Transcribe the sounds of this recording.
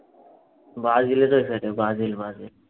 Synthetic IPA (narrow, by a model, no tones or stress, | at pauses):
bazilet̪ojfeʈebazilbazil